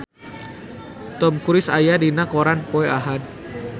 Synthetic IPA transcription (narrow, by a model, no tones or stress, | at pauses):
t̪ɔmkuɾɪsajadinakɔɾanpoeaɦan